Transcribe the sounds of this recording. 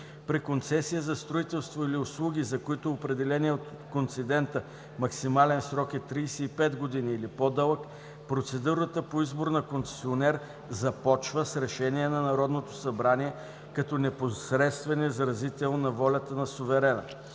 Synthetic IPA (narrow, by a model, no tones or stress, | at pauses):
pɾikont̪sɛsijəzɐst̪ɾoit̪ɛlˠst̪voiliʊslˠuɡ̟ʲizɐkoit̪oopɾɛd̪ɛlɛniɛot̪ | kont̪sid̪ɛnt̪ə | mɐksimalɛnsɾɔkɛt̪ːɾiːsɛipɛd̪ɡod̪iniːlipod̪əlˠək | pɾot̪sɛd̪uɾət̪əpoizboɾnɐkont̪sɛ̥sionɛɾ | zɐpɔt͡ʃvəsɾɛʃɛniɛnɐnɐɾɔd̪not̪o̥sɐbɾaniɛ | kɐt̪ɔnɛposɾɛt̪st̪vɛnɛzɐɾɐzit̪ɛlˠnnɐvɔlʲɐt̪ənɐsʊvɛɾɛnə̰